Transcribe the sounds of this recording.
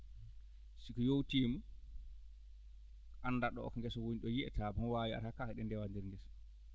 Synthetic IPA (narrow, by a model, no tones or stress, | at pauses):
sikɔjowtiːmu | ʔanːdaɗɔ̰ɔ̰kɔŋɡɛsɔwoɲiɗɔjiɛ̰tʰabɔwaːwia̰ɾakahɛɗɛndɛwandiɾŋɡɛs